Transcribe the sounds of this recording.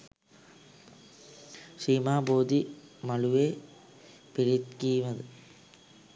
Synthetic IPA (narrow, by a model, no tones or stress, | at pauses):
ʂiːmaːboːd̪imɐɭuʋeː | piɾit̪kiːʋɐðɨ